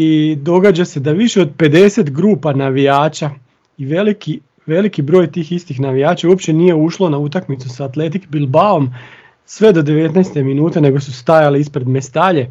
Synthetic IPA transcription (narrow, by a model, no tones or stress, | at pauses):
id̪o̞ɡad͡ʑase̞d̪aʋiʃe̞o̞d̪̚pe̞d̪e̞se̞t̪ɡɾuːpanaʋijaːt͡ʃa | iʋeliki | ʋe̞likibɾo̞ːjt̪iːxist̪ixnaʋijaːt͡ʃauopt͡ɕe̞nije̞uʃlˠo̞naut̪akmit̪susaːt̪le̞t̪ikbilˠbao̞m | sʋe̞d̪o̞d̪e̞ʋe̞t̪najst̪e̞minuːt̪e̞ne̞ɡo̞sust̪ajaleispɾe̞d̪me̞st̪aʎe̞